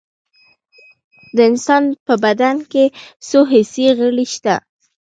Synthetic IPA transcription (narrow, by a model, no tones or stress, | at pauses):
d̪əɪnsɑnpəbad̪ankesoɦɪseɣəɽiʃt̪a̰